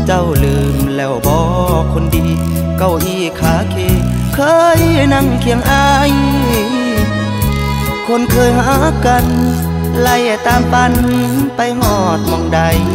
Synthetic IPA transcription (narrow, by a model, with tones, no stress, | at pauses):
t͡ɕa˧˩˨wlɯː˨˩mlɛː˧˩wbɔː˧kʰo˧˥ndiː˧˩ | ka˧˩wʔiː˧˩kʰaː˧˦kʰeː˧˩ | kʰɤː˧jna˧˥˨ŋkʰi˨˧˦əŋʔa˧j | kʰo˧˥˨nkʰɤː˧˨jɦa˧˦ka˧n | la˧˩jt̪aː˧˩mpaː˧nmi˧˥npa˧jɦɔː˧˩t̪̚mɔ˧˩ŋda˧j